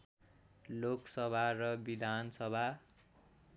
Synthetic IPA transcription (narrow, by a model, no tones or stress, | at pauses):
loksʌbʱarʌbid̪ʱansʌbʱa